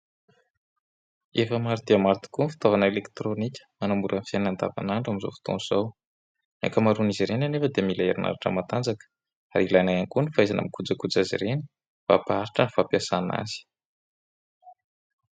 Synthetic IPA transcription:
efəmaɾid̪iəmaɾit̪i̥kunfi̥t̪ovanəelekt̪ɾonikʲə̥manamuɾənfjanand̪a̰va̰naɳɖ͡ʐamizo̰fi̥t̪o̰nz̥aw | ḛkəmaɾuniziɾenanefəd̪emilaeɾinʔa̰ɾaʈ͡ʂə̰mat̪and͡zakə̥ | a̰ɾilajnajaŋkunifajzana̰mikud͡zəkud͡zazḭɾeni̥ | v̥a̰paaɾiʈ͡ʂənifapiasana̰zi̥

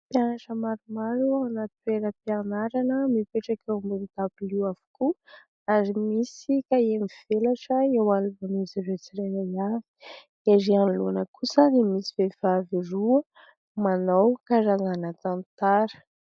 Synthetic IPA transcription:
pjanaʈ͡ʂəmaɾumaɾuanat̪ueɾəpianaɾanəmipeʈ͡ʂakewambunit̪apiliwav̥u̥ku | aɾimisikaemiv̥elaʈ͡ʂəewaluvaniziɾet͡siɾenajavi̥ | aɾianluanəkʰusənimisivevaviruə | manawkaɾananat̪ant̪aɾə̥

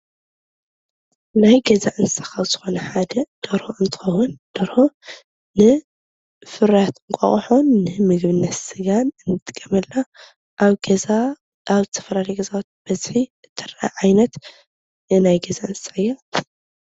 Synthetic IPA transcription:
najɡɐzaʔɨnsɐ̥kawz̥ɨxo̞nɐħad̪ɐd̪̥ɐɾhoʔɨnt̪ʰɨ̥xɐwʊnd̪̥ɐɾho̞ | nɨ | fɨɾjat̪ɨŋkʷʼɐ̰χʼħonːɨmɨɡβɨnːɐt̪sɨɡanɨnːɨt̪ʼɨkʼːɐmɐlːa | ʔβɡa | aβzɨt̪ʰɐfɐlalɐjɡɐzawat̪̚b̥ɐzħiɨt̪ʰːɐɾɐʔa̰ʕajnɐt̪ | najɡɐzaɨnsaɨjːa

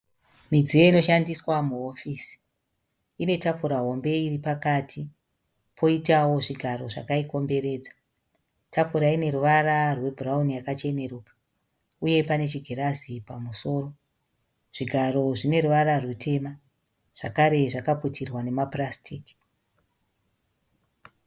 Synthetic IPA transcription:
mid͡zijo̞ino̞ʃandiswamuofiːsi̥ | ine̞tap͡fuɾaɦo̞mbe̞iripakatʰi | pʰo̞itawo̞ʐiɡʱaɾo̞ʐa̰kaiko̞mbe̞ɾe̞ːd͡za | tʰap͡fuɾaine̞ɾuʋaɾarwe̞bʱuraunijakat͡ʃe̞ne̞rukḁ | uje̞pane̞t͡ʃiɡʱe̞ɾazipamuso̞ːro̞ | ʐ̥iɡʱaɾo̞ʐine̞ɾuʋaɾarwutʰe̞ma | ʐ̥akaɾe̞ʐakaputirwane̞maprastʰiːki̥

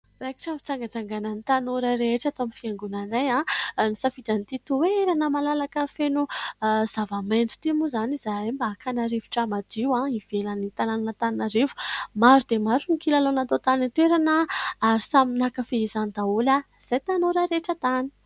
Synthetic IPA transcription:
raki̥ʈ͡ʂəfi̥t͡saŋɡad͡zaŋɡanənit̪anoɾəɾeʈ͡ʂat̪oamifiaŋɡunanajãnisafid̪̥ant̪it̪ueeɾanəmalalakəfenuzavamend͡z̪u̥t̪imuzanizaajmbaːkʰanaɾivu̥ʈ͡ʂamad̪iwãiv̥elənit̪anananət̪annaɾivu̥maɾud̪emaɾunikilalonat̪ot̪anit̪weɾanəaɾisaminakəfeizanid̪aolaz̥ajt̪anoɾəɾeʈ͡ʂət̪ani̥

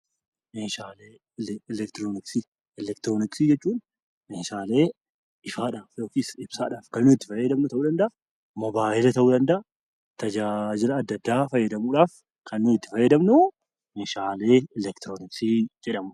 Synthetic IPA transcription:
eʃaːleː | lɛlɛkt̪ɾoːnɪksi | ɛlɛkt̪ɪɾoːnɪksiːd͡ʒɛt͡ʃːuːn | ɛnʃaːle̞ː | ʔɪfaːᶑaːfjo̞ːkisɪb̥sa̰ːᶑaːfkɐnːʊɪt̪ːɪ̥fɐjːɐd̪ɐmnʊt̪ɐʔuːd̪ɐnd̪ɐʔ | mɔbaːʔɪlɐt̪ɐʔuːd̪ɐnd̪ɐʔɐ | t̪ɐd͡ʒad͡ʒɪlɐːd̪ːɐd̪ːaːfɐjːɐd̪ɐmuːᶑaːf | kʰɐnːuɪt̪ːɪ̥fɐjːɐd̪ɐmnʊ | mɛʃaːle̞ːɛlɛkt̪ɪɾoːnɪksid͡ʒɛᶑɐmʊ

